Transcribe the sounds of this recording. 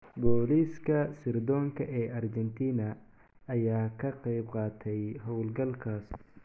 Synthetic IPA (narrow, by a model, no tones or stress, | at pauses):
bɔːliːskʰɐsɪrd̪ɔːŋkʰɐʔɛːʔɐrd͡ʒɛnt̪ʰiːnɐː | jaːkʰɐqɛjbqɑːt̪ʰɛjɦɔwlɡɐlkʰaːs